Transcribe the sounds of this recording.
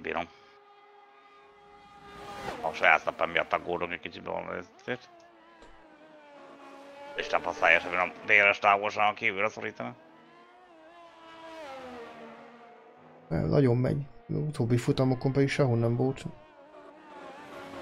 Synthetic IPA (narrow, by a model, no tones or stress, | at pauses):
bḭːɾom | ɒʃɔja̰ːt̪nɑpːɛmːijɒ̰t̪ːɑɡɡoːd̪oŋkɛcʲkit͡ʃit̪bɛ̰vo̰nʋ̰ɛt̪zeːt̪ | iʃt̪ɛɱfɔsa̰ːjɛʃɛbinomd̪eːɾɛʃt̪aːɡolʃaːɔŋkiːvylɾɛsoɾiːt̪ɑni | ɛ̰nʔɒ̰ɟomːɛ̰ɲut̪oːbːifut̪ɒmokompɛd̪ikʃɛɦonːɛmvolt̪